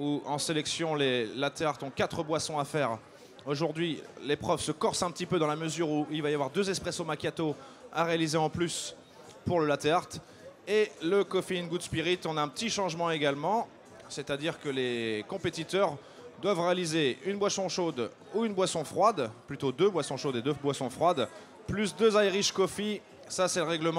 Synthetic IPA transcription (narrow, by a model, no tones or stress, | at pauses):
uɑ̃selɛksjɔ̃lelat̪eaʁt̪ɔ̃kat̪χəbwasɔ̃afɛʁ | oʒuʁd̪ɥilepχœvsəkɔʁsɛ̃pət̪ipød̪ɑ̃laməzyʁuilvajavwaʁd̪øzɛspχɛsomakʲjat̪o | a̰ʁealizeɑ̃plys | puʁləlat̪eaʁt̪ | eləkɔfeinɡud̪spiʁit̪ɔ̃naɛ̃pət̪iʃɑ̃ʒmɑ̃eɡalmɑ̃ | set̪ad̪iʁkəlekɔ̃pet̪it̪œʁ | d̪wavʁealizeynbwasɔ̃ʃod̪ | uynbwasɔ̃fχwad̪plyt̪od̪øbwasɔ̃ʃod̪ed̪øbwasɔ̃fχwad̪ | plys̬d̪øzajʁiʃkɔfi | sasɛləʁɛɡləm̃